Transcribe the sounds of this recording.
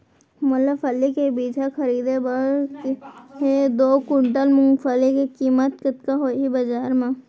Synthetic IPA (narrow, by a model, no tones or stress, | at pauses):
mɐləbfɐlːikebiːt͡ʃʰakɐɾiːd̪ebəɽkɦed̪oːkʊɳʈəlmʊ̃ŋɡfəlikekiːmət̪̚kɪt̪̚kaɦoːɦibɐd͡ʒaːɾmã